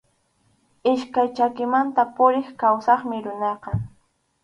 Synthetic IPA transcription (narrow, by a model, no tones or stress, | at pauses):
ɪʃkajt͡ʃakɪmant̪apʊɾɪχkawsɑχmɪɾʊnɑqɑ